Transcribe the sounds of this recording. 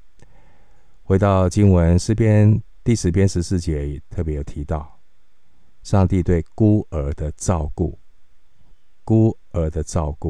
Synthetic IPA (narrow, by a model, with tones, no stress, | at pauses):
xwe˧˥ɪt̪ɑ˥˨ʊt͡ɕi˥nwə˦nʂɻ̩˥˧pʰjɛ˥n | t̪i˥˩ʂɻ̩˧˥pʰjɛ˥nʂɻ̩˧˥sɹ̩˥˩t͡ɕjɛ˧˥ɛ˨˩t̪ʰɤ˥˩pjɛ˧˥jo˨˩ʊt̪ʰi˧˥t̪ɑ˥˩ʊ | ʂɑ˥˧ŋt̪i˥˧t̪we˥˩ɪku˥ə˧˥d̪ə˧ʈ͡ʂɑ˥˧ʊku˥˩ | ku˥ | ə˧˥d̪ə˧ʈ͡ʂɑ˥˧ʊku˥˩